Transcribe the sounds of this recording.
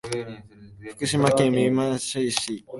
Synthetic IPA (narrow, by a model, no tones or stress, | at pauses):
ɸɯ̥kɯ̟ɕimakẽmiimaɕoiɕi